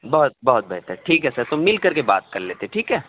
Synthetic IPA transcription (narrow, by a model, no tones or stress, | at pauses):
bɐɦʊt̪̚bɐɦʊt̪̚bɛ̰ɦt̪ɛʈʰiːkɦɛsɐɾt̪ʊmmːɪlkɐɾkeba̰ːt̪̚kɐɾleːt̪eɦɛʈʰiːkɦɛː